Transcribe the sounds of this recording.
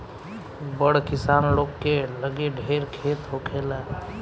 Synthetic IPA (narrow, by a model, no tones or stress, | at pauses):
bəɽkɪsaːnloːkːeləɡeɖʱeɾkʰet̪ɦokʰela